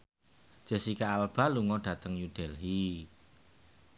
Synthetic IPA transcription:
d͡ʒ̥ə̤sikaːlb̥a̤luŋɔɖ̥ä̤t̪əŋjud̥ɛlɦi

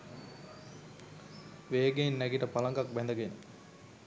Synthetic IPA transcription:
ʋejəɡenːæɡiʈəpalaŋɡak̚bɛnd̪əɡenə

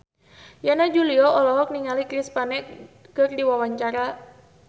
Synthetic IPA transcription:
janad͡ʒuliɔʔɔlɔɦɔk̚niŋalikɾispanɛk | kɨrdiwawaɲt͡ʃaɾa

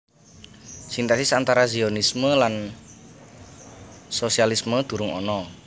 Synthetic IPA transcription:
sint̪asisant̪aɾazionisməlan | sosialisməd̪̥ṳɾʊŋɔ̰nɔ

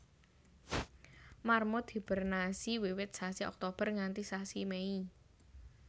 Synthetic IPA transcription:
marmod̪̥i̤b̥ə̤rnasiwiwɪt̪̚sasiɔ̰k̚t̪ob̥ə̤rŋant̪isasimei

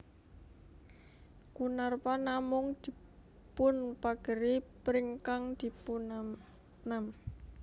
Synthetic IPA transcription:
kunarpanamʊŋd̪̥i̤ | pʊnpaɡ̥ə̤ɾipɾiŋkaŋd̪̥i̤pun | nam

